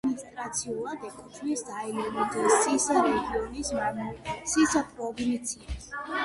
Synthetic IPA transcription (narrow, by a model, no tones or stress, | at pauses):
nnist̪ʼɾat̪sʰiulˠad̪ɛkʰʼɔt͡ʃʰmisd̪ailɔnid̪ɛsʼisad̪ɛɡiɔnismaɾmsisat̪ʰɾɔːɡnit̪sʰias